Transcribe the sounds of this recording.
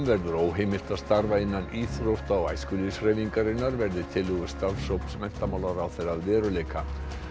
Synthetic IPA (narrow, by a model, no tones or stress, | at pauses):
mvɛɾðʏɾoːwɦeːjmɪl̥t̪aðst̪aɾvaɪnːaniːθɾowht̪aɔwaːjskʏlisɾejviŋkaɾɪnːaɾvɛɾðɪt̪ʰɪlʏɣʏ̥st̪aɾvfsowp̪smɛn̥t̪amaːwlaɾawθeɾaðvɛːɾʏleːjka